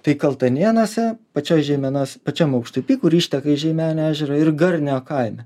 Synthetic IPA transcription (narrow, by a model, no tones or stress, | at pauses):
t̪ɐɪkɐlˠt̪ɐnʲiɛnoːsʲɛpɐt͡ʃʲoːjʒʲɛɪmʲɛnoːsʲpɐt͡ʃʲɛmɐʊkʃt̪ʊpʲiːkʊɾiːʃʲt̪ʲɛkɐɪʒʲɛɪmʲæːnʲːæːʒʲɛɾoɪrɡɐɾʲnʲoːkɐɪmʲɛ